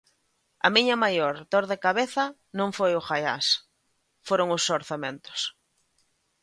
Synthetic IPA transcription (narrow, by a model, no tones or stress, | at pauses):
ɐ̰miɲɐmajoɾt̪oɾðekaβeθɐ | nõŋfojʊxaja̰s | foɾoŋʊsːoɾθamẽnt̪ʊ̥s